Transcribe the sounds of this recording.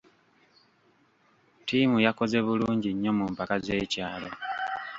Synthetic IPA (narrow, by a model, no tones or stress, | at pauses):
tiːmujako̞ze̞βuluːɲɟiɲːo̞mumpakaze̞ːcaːlo